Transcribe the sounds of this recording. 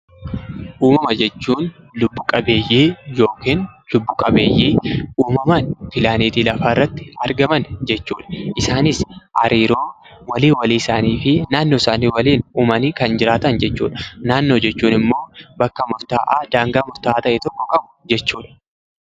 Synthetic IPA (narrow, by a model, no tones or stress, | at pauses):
ʔuːmɐmɐd͡ʒɛt͡ʃːuːn | lʊbːʊkʼɐbe̞ːjːiːjo̞ːkiːnlʊbːʊkʼɐbe̞ːjːiːuːmɐmaːnpɪlaːneːt̪iːlɐfaːɪrːɐt̪ːɪ̥ɐɾɡɐmɐnd͡ʒɛt͡ʃːuːᶑɐ̥ʔɪsaːnɪsʔɐ̰ɾiːɾo̞ː | wɐliːwɐliːɪsaːniːfɪnaːnːoːɪsaːniːwɐliːnuːmɐniːkɐnd͡ʒɪɾaːt̪ɐnd͡ʒɛt͡ʃːṵːᶑɐ̥naːnːo̞ːd͡ʒɛt͡ʃːuːnɪmːo̞ːbɐkːɐmʊɾt̪a̰ːʔaːd̪aːŋɡaːmʊɾt̪aːʔaːt̪ɐʔɛt̪ɔkːɔkʼɐbʊ̥d͡ʒɛt͡ʃːuːᶑɐ̥